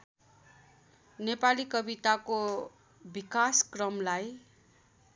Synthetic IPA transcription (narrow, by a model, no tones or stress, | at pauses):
nepalikʌbit̪ako | bikaskrʌmlaj